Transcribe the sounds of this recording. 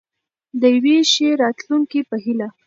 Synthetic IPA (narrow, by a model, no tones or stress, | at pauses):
d̪əjweʃeɾɑt̪luŋkipəɦila